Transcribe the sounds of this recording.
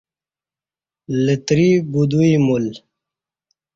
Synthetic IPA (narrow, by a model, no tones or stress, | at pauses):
lət̪ɾibud̪uimul